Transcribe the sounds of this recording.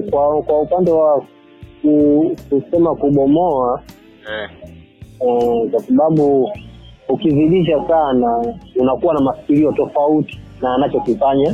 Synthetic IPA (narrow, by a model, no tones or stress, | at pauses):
kwakwaupandɛwa | kukusɛmakuɓɔmɔa | ɛkwasaɓaɓu | ukiviɗiʃ̬asanaunakuwanamafi̥kiliɔtɔfauti̥ | naːnat͡ʃɔkifaɲa